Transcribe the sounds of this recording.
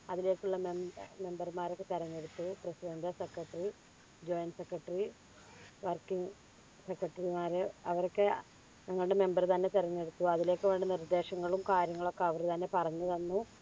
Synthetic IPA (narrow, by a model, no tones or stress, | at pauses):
ɐðile̞ːkːuɭːɐmemme̞mbɐrmaːɾo̞kːet̪eɾɐɲːeɽut̪ːuprɐsidɐndɐsekːrɐʈːɐri | d͡ʑo̞jnsekrɐʈːɐri | ʋɐrkːiŋ | sekrɐʈːɐrimaːɾeɐʋɐɾokːe | ɲɐŋːɐɭuɽe̞me̞mbɐrt̪ɐnːe̞t̪iɾɐɲːeɽut̪ːuɐðile̞ːkːɨʋeːɳɖɨnird̪ːe̞ːɕɐŋːɐɭumkaːɾjɐŋːɐɭo̞kːeɐʋɐɾt̪ɐnːe̞pɐrɐɲːɐðɐnːu